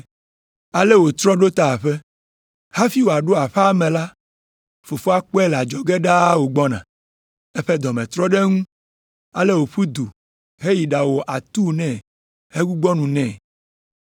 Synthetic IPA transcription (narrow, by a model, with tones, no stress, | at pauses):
a˨le˦wo˨t̪ɾɔ˦ɖo˦t̪a˨ɸe˦ | ha˦fi˦wo˨a˨ɖo˦a˨ɸɛ˦mɛ̃˨la˦ | fo˨fo˦a˦k͡pɔ˦ɛ˦la˨d͡ʒɔ˨ɡe˦ɖa˦wo˨ɡ͡bɔ˦nã̰˨ | ɛ˦ɸe˦d̪ɔ˨mɛ̃˨t̪ɾɔ˦ɖe˦ŋũ˦ | a˨le˦wo˨ɸu˦d̪u˨ | ɦe˦ji˨ɖa˨wo˨ʔa˨t̪u˦nɛ̃˦˨ | he˦ɡu˦ɡ͡bɔ˦nũ˨nɛ̃˦˨